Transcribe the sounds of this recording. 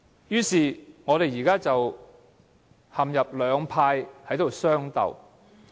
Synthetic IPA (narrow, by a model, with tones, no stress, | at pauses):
jyː˥siː˨ŋɔː˨˧ɾe˨jjiː˨˩kaː˥t͡sɐ˨w | hɐ˨mjɐ˨p̚lœː˨˧ŋpʰaː˧jhɐ˨˥jt̪o˨wsœː˥ŋt̪ɐ̰˨˩w